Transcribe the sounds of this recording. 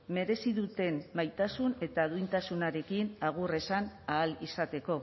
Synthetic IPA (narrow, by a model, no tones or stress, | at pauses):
me̞ɾe̞siðut̪e̞mmajt̪asune̞t̪aðuijnt̪asunaɾe̞kinaɣ̞ure̞sanaːlisat̪e̞ko̞